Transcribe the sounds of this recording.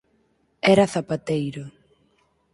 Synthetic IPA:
ɛɾaθapat̪ejɾʊ

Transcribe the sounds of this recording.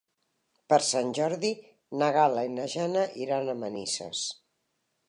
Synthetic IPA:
pəɾsanʲʒɔɾði | nəɣaləinəʒanəʔiɾanəmənisə̰s

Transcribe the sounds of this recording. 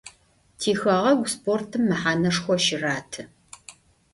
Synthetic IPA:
tʰiːxɐʁɐwʷspʰoːrtʰɨmːɨħaːnɐʂxʷɔʃɪraːtʰɨ

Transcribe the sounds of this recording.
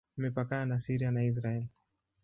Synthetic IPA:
mɛpakaanasiɾianais̬ɾaɛli

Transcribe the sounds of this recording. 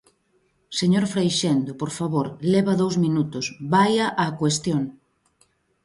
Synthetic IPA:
seɲoɾfɾajʃɛnd̪opoɾfaβoɾlɛβɐðowzmĩnut̪ʊsbajaʔakwest̪joŋ

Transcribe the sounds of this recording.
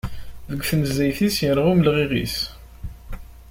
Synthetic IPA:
ðəɡʷθnəzːæjθisjəɾʁʊməlʁiʁḭs

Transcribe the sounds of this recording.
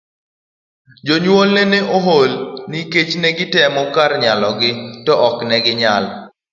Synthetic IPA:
d͡ʒoɲwolnɛnɛʔoɦolniket͡ʃnɛɡɪtɛmɔkarɲalɔɡɪtɔʔɔknɛɡɪɲal

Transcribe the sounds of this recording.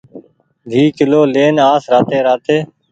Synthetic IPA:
dʱiːkɪloːleːnaːsɾaːt̪eːɾaːt̪eː

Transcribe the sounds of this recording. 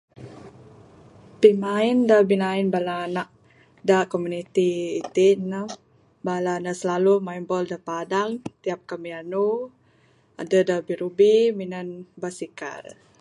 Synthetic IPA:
pimaindabinainbalaːnaʔ | dakomunit̪iːt̪inə | balanasəlalumaimbɔldapadaŋt̪iap̚kamianu | a̰dədabiɾubiminənbasika̰l

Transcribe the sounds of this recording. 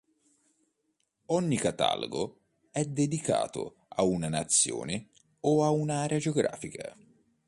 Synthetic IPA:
ɔɲːikat̪a̰lo̰ɡo | ɛd̪ːed̪ika̰ːt̪ʊ̰ | aunanat̪sːjo̰ːnɪ | ɔaunaaːɾead͡ʒoɡɾa̰ːfikʰa̰

